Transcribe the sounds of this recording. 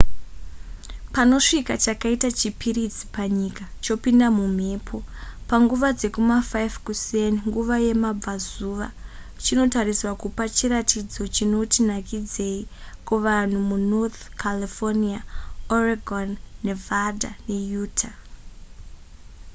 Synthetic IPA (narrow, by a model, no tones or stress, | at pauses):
pano̞ʂikat͡ʃakaitat͡ʃipiɾid͡zi̥paɲikat͡ʃo̞pindamum̤e̞ːpʰo̞paŋɡuʋad͡ze̞kumafajvkuseniŋɡuʋaje̞mab͡vazuʋa̰ | t͡ʃino̞tariswakupat͡ʃiɾatid͡zo̞t͡ʃino̞tinakid͡ze̞ikuʋan̤umunot̪kʰalifoniaoraɡʱonːe̞vʱadane̞juːtʰa